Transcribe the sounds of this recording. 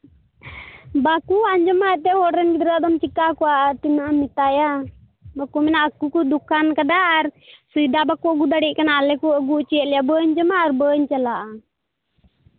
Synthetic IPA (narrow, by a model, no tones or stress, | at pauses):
bakuaɲd͡ʒɔmaɛt̪ɛhɔɽɾɛnɡid̪ɾd̪ɔmt͡ʃikakɔwaʔːɾt̪inaʔamit̪aja | bakumɛnaʔəkːukɔd̪ukankad̪aʔːɾsujd̪abakuəɡud̪aɽiʔ̚kanalɛkuəɡuʔt͡ʃɛɛt̪̚lɛjabəɲd͡ʒɔmaʔːɾbəɲt͡ʃɛlaʔa